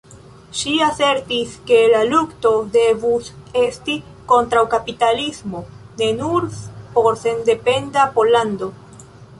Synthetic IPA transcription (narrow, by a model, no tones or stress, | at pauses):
ʃiase̞ɾtiske̞lalukto̞de̞vuse̞sti | ko̞ntɾawkapitalismo̞ne̞nuɾpo̞ɾse̞nde̞pe̞ndapo̞lando̞